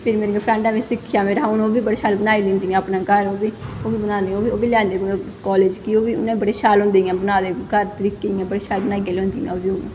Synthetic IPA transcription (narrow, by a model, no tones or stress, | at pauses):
pʰɪɾmeːɾẽŋɡeːpʰɾə̃ɳʈãːʋiːsɪkʰːɪjaːmeːɾaʊñoːbiːbəɽeːʃaːlbənaːiːlẽːnd̪iːɛ̃ːpnaːkəɾoːbiːoːʋiːbənãːnd̪ẽoːbioːbiːlɛ̃ːnd̪eːkɔːleːd͡ʒkioːʋiːʊ̰nãːibəɽeːʃaːlɦʊ̃nd̪ẽːɛ̃ːbənaːd̪eːkəɾt̪əɾiːkẽːɛ̃ːbəɽeːʃaːlbənaːiɡeːlʊ̃nd̪iːɛ̰̃ːoːbiːʊn̰ː